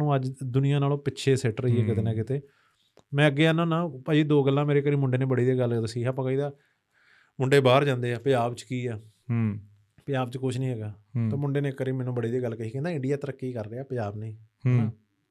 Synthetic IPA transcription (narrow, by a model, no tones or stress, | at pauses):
nũːəd͡ʒd̪ʊnɪjãːnaːlõːpɪtːʃʰeːsɛʈɾəiːɦɛːkɪt̪eːnãːkɪt̪eː | mɛ̃ːəɡːeːənãːnãːpad͡ʒiːd̪oːɡəlːãːmeːɾeːkəɾiːmʊɳɖeːnẽːbəɽeːd̪eːɡəld̪əsiːaːpãːkəiːd̪aː | mʊɳɖeːbaːɾd͡ʒãːnd̪eːɛːpɪd͡ʒaːbt͡ʃkiːɛː | pɪaːbt͡ʃkʊʃʰnĩːɦɛːɡaːt̪õːmʊɳɖeːneːkːəɾiːmɛːnũːbəɽeːd̪eːɡəlkəiːkɛ̃ːnd̪aːɪ̃ɳɖijaːt̪əɾəkːiːkəɾːeːaːpd͡ʒaːbnəĩː | nãː